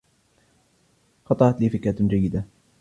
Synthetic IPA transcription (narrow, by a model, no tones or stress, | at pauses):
xɑt̪ˤɑɾɑt̪liːfɪkaːt̪d͡ʒajːɪd̪a